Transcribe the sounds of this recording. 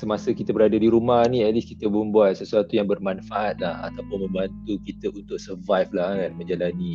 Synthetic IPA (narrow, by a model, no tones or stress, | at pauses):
səmasəkit̪abəɾadadiɾumahniɛt̪̚liskit̪əbəmbuat̪̚səsuat̪ujaŋbərmanfaʔat̪̚laha̰t̪apʊnmə̃mbant̪ukit̪əʔunt̪ʊk̚səvajflahkanmə̃ɲd͡ʒalanĩ